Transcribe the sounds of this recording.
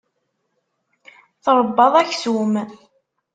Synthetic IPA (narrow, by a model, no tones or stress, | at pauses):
θɾˤəbːɑðˤæçsum